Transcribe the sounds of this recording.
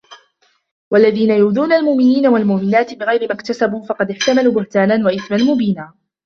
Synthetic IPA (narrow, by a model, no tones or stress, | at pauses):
walːaðiːnajuːðuːnalmʊʔmɪniːnawalmʊʔmɪnaːt̪ɪbɪɣajɾɪmakt̪asabuːfɑqɑd̪ɪħt̪amaluːbʊht̪aːnanwaʔɪθmanmʊbiːnaː